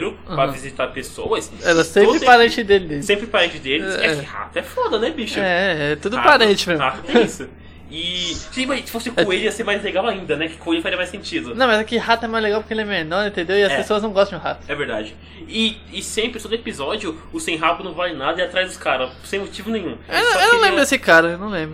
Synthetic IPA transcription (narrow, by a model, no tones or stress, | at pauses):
ɾʊãpɾɐ̃vizit̪aɾpesowɐsɛlɐsẽppɾɪpaɾẽnt͡ʃɪd̪elɪd̪essẽmpɾɪpaɾẽnt͡ʃɪd̪elɪɛɛɪha̰t̪ɐɛfɔd̪ɐnɛbiʃʊɛɛɛt̪ud̪ʊpaɾẽt͡ʃɪmẽzmat̪ʊt̪ɛ̃isʊ | ɪsɪmasɪ̥fosɪkõeliɐseɾmajzleɡawaĩnd̪ɐnɛkɪ̥kõejfazɾiɐmajsẽt͡ʃid̪ʊnɐ̃w̃mɐzɛkɪhat̪ʊɛmajzleɡawpʊɾkelɪɛmeɾmɐ̃w̃ĩt̪ẽnd̪ewɪɐspesoɐznɐ̃w̃ɡɔst̪ɐ̃d͡ʒ̪ʊɦa̰t̪ʊ̥ɛveɾd̪a̰d͡ʒɪ | ɪ | ɪsẽpɾɪt̪od̪ʊepizɔd͡ʒiʊʊsẽj̃ɦapʊnɐ̃w̃valɪnad̪ɐɪat̪ɾajzd̪ʊskaɾɐ | sẽj̃mot͡ʃivʊnẽjɲ̃ũewnɐ̃ewnɐ̃w̃lẽbɾʊd̪esɪkaɾɐewnɐ̃w̃lẽmbɾʊ